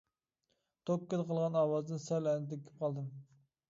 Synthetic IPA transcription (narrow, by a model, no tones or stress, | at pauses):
t̪ʰokːɨd̪qʰəlˠʁɑnɑːwɑzd̪ɨnsɛlɛnɪd̪ɛkʲʰy̥p̚qʰɑlˠd̪ɨm